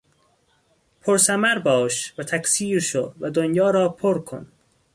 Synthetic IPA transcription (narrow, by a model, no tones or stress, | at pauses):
pʰoɾsæmæɾbɒːʃvæt̪ʰæksiːɾʃodvæd̪onjɒːɾɒːpʰoɾkʰo̰n